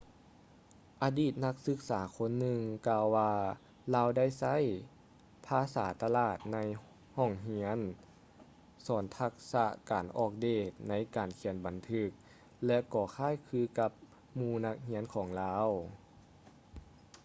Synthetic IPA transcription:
ʔaː˨˧˦diː˧˩t̪̚na˧˥k̚sɯ˧˥k̚saː˩˦kʰo˧˥nːɯ˧ŋkaː˧wːaː˧ | laː˧˥wda˥˩˨jsa˧˥˨j | pʰaː˧˥saː˩˦t̪a˧laː˧˩t̪̚na˧˥j | hɔ˧˩ŋɦi˧˥ən | sɔː˩˦nt̪ʰa˧k̚sa˧˥ʔkaː˨˩nʔɔː˧˩k̚deː˧˩t̪̚na˧˥jkaː˨˩nkʰi˧˦ənba˨˩nt̪ʰɯ˧˥k̚ | lɛ˧˥kɔː˧˩kʰaː˧˥˨jkʰɯː˧˥ka˧˥p̚ | muː˧˩na˧˥k̚hi˧˥ənkʰɔː˩˦ŋlaː˧˥w

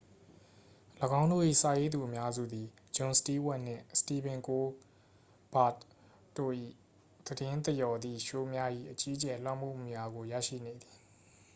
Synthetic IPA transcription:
ləɡã˦ʊ̃ndo̰˦˨ʔḭ˦˨sa˨je˦d̪u˨ʔəmja˦zṵ˦˨d̪i˨ | d͡ʑõ˨nsə̥ti˦wɛ˦˨ʔnɪ̰̃˦˨sə̥ti˦˨bɪ̃˨ŋko˦ | b̥a˦˨t | tːo̰˦˨ʔḭ˦˨ | d̪̥ədɪ̃˦nt̪ə˨jɔ˨d̪ði˦˨ʃo˦mja˦ʔḭ˦˨ʔət͡ɕi˦ʔət͡ɕɛ˨l̥wã̰˦˨mṵ˦˨mu˨ja˨ɡo˨jä̰˦˨ʃḭ˦˨ne˨d̪i̥˨

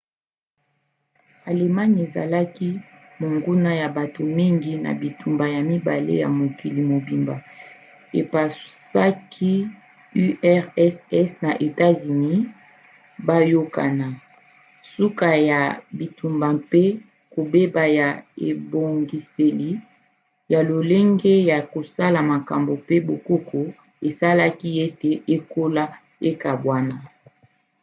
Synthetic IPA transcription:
a˨le˨ma˦ɲ˨e˨za̰˨la˦ki˦ | mo˨ŋɡu˦na˦ja˨ba˨to˨mi˦ŋɡi˦na̰˨bi˨tu˨mba˨ja˨mi˦ba˨lḛ˦ja̰˨mo˨ki˨li˨mo˨bi˨mba˨ | ḛ˨pa˨sa˦kʰi˦ | y˦ʔɛ˦ʁɛ˦sɛ˦sna˨ʔe˨ta˦zy˨ni˦ | ba˦jo˦ka̰˨na˨ | su˦ka˨ja˨bi˨tu˨mba˨mpe˦ | ko˨be˦ba˨ja˨ḛ˨bo˨ŋɡi˨se˨li˨ | ja˨lo˨le˦ŋɡe˦ja˨ko˨sa˦la˨ma˨ka˨mbo˨pe˦bo˨ko˦kʰo˨ | e˨sa˦la˦ki˦e˦te˨ʔe˦ko˦la˦ | e˦ka˨bwa˦na˦

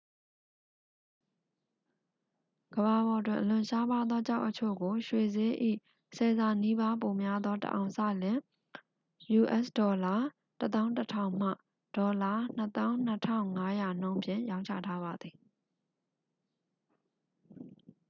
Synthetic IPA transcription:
ɡ̥əba˨βɔ˨ətwɪ̰̃˦˨ʔə˨lʊ̃˨ʃa˦pa˦d̪ðɔ˦t͡ɕa˦ʊʔət͡ɕʰo̰˦˨ɡo˨ʃwe˨ze˦ʔḭ˦˨ | sɛ˨za˨ni˦ba˦po˨mja˦d̪ðɔ˦tə̰ʔã̰˨ʊ̃sa̰˦˨lɪ̃˨ | ju˨ʔɛ̰˦sdɔ˨la˨ | tət̪ã˦ʊ̃tətʰã̰˦˨ʊ̃m̥a̰˦˨ | d̥ɔ˨la˦˨n̥ət̪ã˦ʊ̃n̥ətʰã̰˦ʊ̃ŋa˦ja˨n̥õ˦ʊ̃mpʰjɪ̰̃˦˨jã˦ʊ̃ɲt͡ɕʰä̰˦˨tʰa˦βa˨d̪ði˨

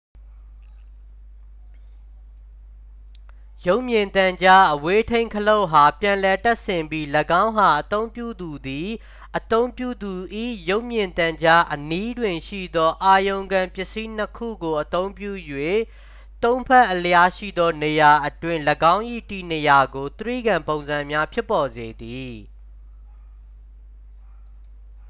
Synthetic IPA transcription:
jo˦ʊʔmjɪ̃˨nt̪ã˨ɲd͡ʑa˦ʔəwe˦tʰẽ˦ɪ̃ŋkʰəlõ˦˨ɦa˨pjã˨lɛ˨tɛ˦ʔsɪ̃˨mbji˦ləɡã˦ʊ̃ɦa˨ʔət̪õ˦ʊ̃mpjṵ˦˨d̪u˨d̪i˨ | ʔət̪õ˦ʊ̃mpjṵ˦˨d̪u˨ʔḭ˦˨jo˦ʊʔmjɪ̃˨nt̪ã˨ɲd͡ʑa˦ʔəni˦dwɪ̃˨nʃḭ˦˨d̪ɔ˦ʔa˨jõ˨ʊ̃ŋɡã˨mpjɪ˦ʔsi˦n̥əkʰṵ˦˨ɡo˨ʔət̪õ˦ʊ̃mpjṵ˦˨jwe˦˨ | t̪õ˦ʊ̃mpʰɛ˦ʔːələja˦˨ʃḭ˦˨d̪ɔ˦ne˨ja˨ʔətwɪ̃˦˨ləɡã˦ʊ̃ʔḭ˦˨tḭ˦˨ne˨ja˨ɡo˨t̪əɹḭ˦˨ɡã˨mpõ˨ʊ̃nzã˨mja˦pʰjɪ˦pːɔ˨ze˨d̪i˨

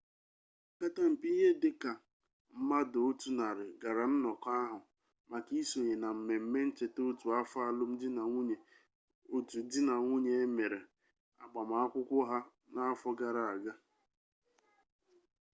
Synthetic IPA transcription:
ka˦ta˦m̩˨pi˦i˦ɦe˦dɪ˦ka˨ | m̩˦ma˦do˨o˦tu˨na˨ɾɪ˨ɡa˨ɾa˨n̩˦nɔ˨ka˦ɦʊ˨ | ma˨ki˦so˨ɲe˨na˨m̩˨me˨m̩˦me˦n̩˦t͡ʃe˨to˦tu˨a˦fa˦˨lʊ˦m̩˦dɪ˦na˨ŋʷu˦ɲe˨ | o˦tu˨˦dɪ˦na˨ŋʷu˦ɲe˦e˦me˨ɾe˨ | a̰˨ɡ͡ba˨ma˨a˦kʷʊ˦kʷʊ˦ɦa˦ | na˦a˦fɔ˦ɡa˨ɾa˨a˨ɡa˦

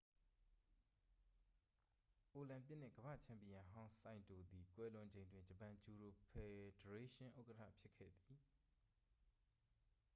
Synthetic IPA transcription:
ʔo˨lã˨mp̬jɪ˦ʔn̥ɪ̃˦˨ɡ̥əbä̰˦˨t͡ɕʰã˨mpi˨jã˨ɦã˦ʊ̃sã˦˨ɪ̃nto˨d̪i˨kwɛ˦lʊ̃˨ɲd͡ʑẽ˨ɪ̃ndwɪ̃˦d͡ʑə˨pã˨d͡ʑu˨ɹo˨pʰɛ˨də˨ɹe˦ʃɪ̃˦ʔo˦ʊkə˦tʰä̰˦˨pʰjɪ˦ʔkʰːɛ̰˦˨d̪i˨

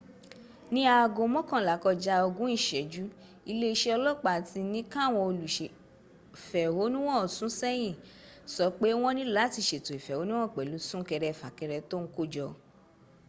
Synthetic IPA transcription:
nĩ˦a˧˨ɡõ˧mɔ̃˦kã˨la˨˦kɔ˧d͡ʒa˧˦ɔ˧ɡũ˦i˦˨ʃɛ˨d͡ʒu˨˦ | i˧le˦i˧ʃe˦ɔ˧lɔ˦˨k͡pa˨ti˧nĩ˦kã˦˨w̃ɔ̃˧o˧lu˨ʃe˨ | fɛ˨wo˨˦nũ˦w̃ɔ̃˦˨sũ˨˦sɛ˦j̃ĩ˦˨sɔ˨˦k͡pe˦w̃ɔ̃˦nĩ˦la˨˦ti˧˨ʃe˨to˨i˨fɛ˨wo˨˦nũ˦w̃ɔ̃˦˨k͡pɛ˨lu˨˦sũ˦kɛ˧ɾɛ˧˨fa˨kɛ˧ɾɛ˧to˦ŋ̩˦ko˦˨d͡ʒɔ˧

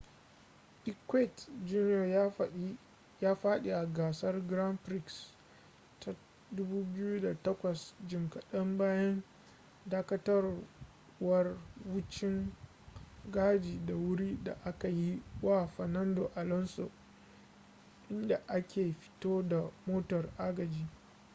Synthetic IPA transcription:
ʔɪ˦kwɛ˦˨td͡ʒu˦njɔ˨ | jaː˦ɸaː˦ɗe˨ʔa˨ɡaː˨sɐ˦rɡɾa˦mpɾi˦ks | ta˨ | dʊ˦buː˦bɪ˦ju˦da˨tɐ˦kʷɐ˨sd͡ʒɪ˨mkɐ˨ɗɐ˦mbaː˦jɐ˦n | daː˦kɐ˦tɐ˦r | wɐ˦rwʊ˦t͡ʃɪ˦ŋ | ɡaː˦d͡ʒiː˨da˨wʊ˦ɽi˦da̰˨ʔa˦ka˨ji˦wa˦˨ɸɐ˨nɐ˦ndo˨ʔa˨lɔ˦nso̰˨ | ʔɪ˦nda˨ʔa˦kʲʰeː˨ɸɪ̥˦toː˦da˨moː˦tɔ˨rʔaː˦ɡɐ˨d͡ʒiː˨

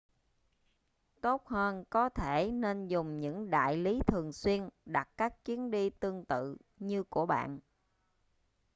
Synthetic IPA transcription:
t̪o˦˥t̚həː˧nkɔ˨˦t̪ʰe˧˩ne˧nzʊ˨˩ŋ͡mɲɨ̰˧˥ŋɗa̰ː˧˨jli˨˦t̪ʰɨ˨˩əŋswi˧ənɗa˨˩t̚kaː˦˥k̚t͡ɕwi˨˦ənɗi˧t̪ɨ˧əŋt̪ɨ̰˧˨ | ɲɨ˧ku˧˩əɓa̰ː˧˨n

